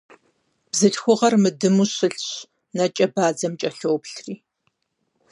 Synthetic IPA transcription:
b̥zɨɬxʷʊʁɐrmɨdɨmuːɕɨɬɕ | nɐt͡ʃʼɐbaːd͡zɐmt͡ʃʼɐɬowpɬriː

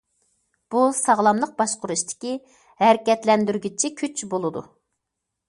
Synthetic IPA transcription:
b̥usɑʁlˠɑmlˠəq̚bɑʃqʊɾuʃt̪ʰɪ̥kʲi | hæɾkʲɛt̪lɛnd̪yɾɡʲit͡ʃʰikʲʰyt͡ʃbolˠɨd̪ṵ

